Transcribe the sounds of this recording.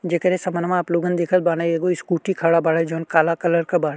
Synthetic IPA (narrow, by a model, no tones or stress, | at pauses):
d͡ʒekəɾesɐmnmãːpluːɡənd̪eːkʰət̪̚baːneeːɡoɪskuːʈikʰaːɽabaːɽed͡ʒoːnkaːlakɐləɾkɐbaːɽe